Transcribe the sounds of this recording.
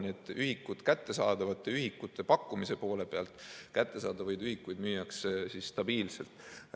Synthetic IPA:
nʲiet̪ːˑyhikːut̪kæt̪ːesɑːd̪̥ɑvɑt̪ːˑeyɦikːut̪ʰːˑe̞pɑkːˑumise̞po̞ːle̞peɑlt̪ˑkæt̪ːe̞sɑːd̪̥ɑvɑjd̪yhikːujd̪myːjːɑkssisːt̪ɑbiːlse̞̰lt̪ˑ

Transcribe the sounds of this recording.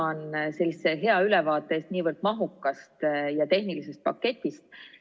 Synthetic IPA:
ɑnse̞lːiseɦe̞ɑylɛvɑːt̪ːˑeeːst̪niːvərd̪mɑɦukːɑst̪jɑt̪e̞hnilise̞st̪̚pɑkːe̞t̪ʲːˑist̪̚

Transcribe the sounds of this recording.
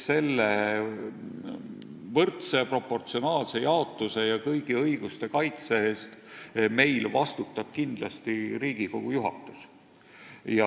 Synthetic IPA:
se̞lːe | vɤrt̪sepro̞pːo̞rt̪sio̞nɑːlse̞jɑo̞t̪ːˑuse̞jɑkɤjɡiɤjɡ̥ust̪e̞kɑjt̪se̞est̪me̞jlvɑst̪ut̪ːˑɑb̥̚kind̪̥lɑst̪iɾiːɡ̥iko̞ɡ̥ujuɦɑ̰t̪ːˑu̥s | jɑ

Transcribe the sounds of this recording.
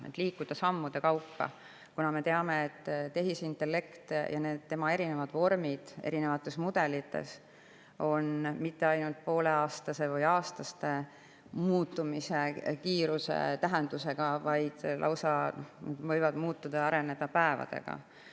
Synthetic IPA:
et̪ːˑliːkːud̪̥ɑsɑmːud̪̥e̞kɑwpːɑ̰ | kunɑme̞t̪eɑme̞et̪ːt̪ːe̞ɦisint̪ːˑe̞lːe̞kt̪jʔɑne̞ːd̪̥t̪emɑe̞ɾine̞vɑd̪̥vo̞rmid̪̥e̞̰ɾine̞vɑt̪ːˑe̞smud̪̥e̞lit̪ːe̞̰s | o̞nmit̪ːe̞ɑjnult̪̚po̞ːle̞ɑːst̪ɑse̞vɤjɑːst̪ɑst̪e̞ | muːt̪ːˑumise̞kiːɾuse̞̰t̪æɦe̞nd̪̥use̞ɡ̥ɑvɑjd̪̥lʔɑ̰wsɑnnevɤjvɑd̪̥muːt̪ːud̪̥ɑɑɾe̞ne̞d̪̥ɑpæe̞vɑ̰d̪̥e̞̰ɡ̥ɑ̰

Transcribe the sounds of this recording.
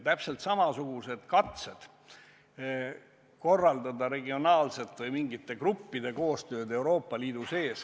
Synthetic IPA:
t̪æpse̞lt̪sɑmɑsuɡ̥use̞d̪̥kɑt̪se̞d̪̥ | ko̞rːɑld̪ɑd̪ɑɾe̞ɡio̞nɑːlse̞t̪ːˑvɯjmiŋɡit̪ːe̞krupːid̪e̞ko̞ːst̪ø̞ːd̪e̞wɾo̞ːpːɑliːd̪̥use̞ːs

